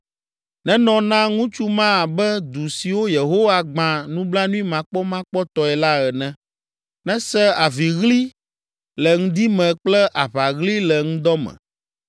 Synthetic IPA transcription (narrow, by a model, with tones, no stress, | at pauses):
nɛ̃˦nɔ̃˨nã˦ŋũ˦t͡ʃu˦mã˦˨bɛ˦d̪u˨si˨wo˦je˨ɦo˦wa˦ɡ͡bã˨nũ˦bla˦nũ˦i˦mã˨k͡pɔ˦mã˦k͡pɔ˦t̪ɔ˨ɛ˨la˦ɛ˨nɛ̃˦ | nɛ̃˦sɛ˦a˨vi˨ɣli˦ | lɛ˨ŋũ˦d̪i˦mɛ̃˨k͡plɛ˦ʔa˨βa˨ɣli˦lɛ˨ŋũ˦d̪ɔ˦mɛ̰̃˨